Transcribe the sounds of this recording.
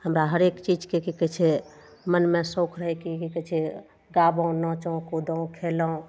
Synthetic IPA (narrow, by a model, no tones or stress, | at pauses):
həmɾaɦəɾekt͡ʃid͡ʒkekekət͡ʃʰe | mənmesõkʰɾəɦɛkikikət͡ʃʰe | ɡabə̃nɔt͡ʃəũkud̪əũkʰeləũ